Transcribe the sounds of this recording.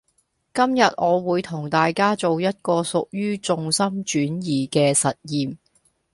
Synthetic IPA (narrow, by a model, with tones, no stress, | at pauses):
kɐ˥mjɐ˨t̚ʔɔː˨˧wuː˨˧jt̪ʰʊ˨˩ŋt̪aː˨jkaː˥t͡so˨wjɐ˥t̚kɔː˧sʊ˨k̚jyː˥t͡sʊ˧ŋsɐ˥mt͡ʃyː˨˥njiː˨˩kɛː˧sɐ˨t̚jiː˨m